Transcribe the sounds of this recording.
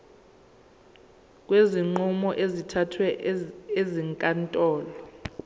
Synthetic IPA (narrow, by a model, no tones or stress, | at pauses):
k̬ʼweziŋ͡ǃumɔʔezitʰatʰwɛeziŋkʼantʼɔːlɔ